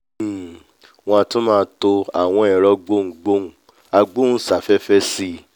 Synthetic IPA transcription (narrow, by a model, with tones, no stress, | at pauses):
w̃ɔ̃˧tõ˦mãː˦˧to˧a̰˨w̃ɔ̃˧ɛ˨ɾɔ˨˧ɡ͡bõ˦˨ɡ͡bo˦ũ˨˦ | a˧ɡ͡bũ˦sa˨fɛ˦fɛ˦si˦